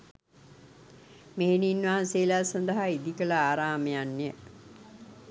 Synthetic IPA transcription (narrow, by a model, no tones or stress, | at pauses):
meɦeniːnʋaɦanseːlaːsand̪əɦaid̪ikələaːɾaːməjanːejə